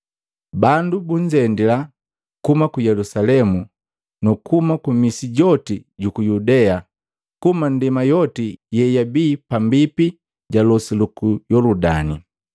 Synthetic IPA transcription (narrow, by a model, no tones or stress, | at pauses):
bandubuɲd͡ʒɛndila | kumakujɛlusalɛmu | nukumakumisiɟɔtiɟukujudɛa | kumandimajɔtijɛjabiːpambipi | ɟalɔsilukujɔluda̰nḭ